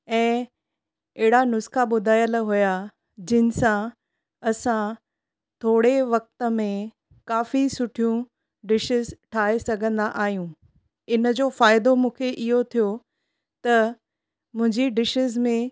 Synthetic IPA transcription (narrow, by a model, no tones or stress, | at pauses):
ɛ̃ː | ɛɦɪɽanʊskaɓʊd̪ʱaːjəlɦʊja | d͡ʑɪnɪ̆sã | ɐsã | t̪ʰoːɽeʋɐk̚t̪əmẽ | kaːfisʊʈʰijũ | ɖɪʃɪzʈʰaːesɐɡʱə̃nd̪aʔaːɦijũː | ɪnəd͡ʑoːfaːɪd̪omũːkʰeʔɪɦot̪ʰijo | t̪ɐ | mʊ̃ɦɪ̃ɲd͡ʑiɖɪʃɪzmẽ